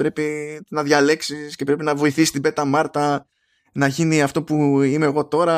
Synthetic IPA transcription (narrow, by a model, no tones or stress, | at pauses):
pɾe̞pinɐðʝɐle̞ksisce̞pɾe̞pinɐvo̞iθisist̪ibe̞t̪ɐmɐɾt̪ɐ | nɐʝiniɐft̪o̞puime̞ːɣo̞t̪o̞ɾɐ